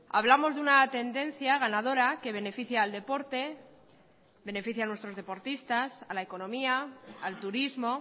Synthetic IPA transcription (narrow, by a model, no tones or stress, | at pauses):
a̰βlamo̞zðunat̪e̞nd̪ẽ̞n̟θjaɣ̞anað̞o̞ɾake̞β̞e̞ne̞fiθjaːld̪e̞po̞ɾt̪e̞ | be̞ne̞fiθjanwet̪ɾo̞zðe̞po̞ɾt̪ist̪asalae̞ko̞nõ̞miaːlt̪uɾizmo̞